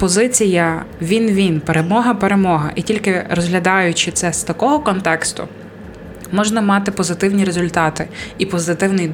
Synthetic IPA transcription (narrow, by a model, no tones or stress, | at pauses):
pɔzɪt͡sʲijɐʋʲinʋʲinpeɾemɔɦɐpeɾe̞mɔɦɐ̰ʔitʲilʲkɪɾɔzɦlʲɐd̪ɑjʊt͡ʃɪt̪sɛst̪ɐkɔɦɔkɔnt̪ɛkst̪ʊ̰ | mɔʒnɐmɑt̪ɪpɔzɪt̪ɪwnʲiɾezʊlʲt̪ɑt̪ɪipɔzɪt̪ɪwnɪj̪